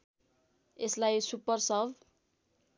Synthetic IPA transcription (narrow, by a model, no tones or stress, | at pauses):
eslajsupʌrsʌb